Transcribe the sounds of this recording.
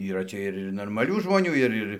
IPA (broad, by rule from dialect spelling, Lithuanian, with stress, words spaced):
iːˈrɐ ˈt͡sʲɛ ɪr ɪr noːrmɐˈlʲuː ʒmoːˈnʲuː ɪr ˈɪr